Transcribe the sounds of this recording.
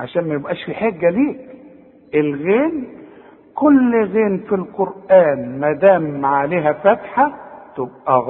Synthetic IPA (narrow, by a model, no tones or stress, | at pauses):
ʕa̰ʃæːnmæjɪbʔæːʃfiħeɡːæliːk | ʔɪlɣeːn | kʊlːɣeːnfilqʊɾʔæːnmæd̪æːmːaʕaleːɦæfæt̪ħat̪ɪb̚ʔæɣ